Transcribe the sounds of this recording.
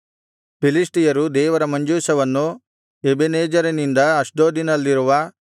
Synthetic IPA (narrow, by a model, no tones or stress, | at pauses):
pilisʈijɐɾud̪ɛːʋɐɾɐmɐɲd͡ʒuːsɐʋɐnːu | ebeneːd͡ʒɐɾɐnind̪ɐɐʂɖoːd̪inɐlːiɾuʋɐ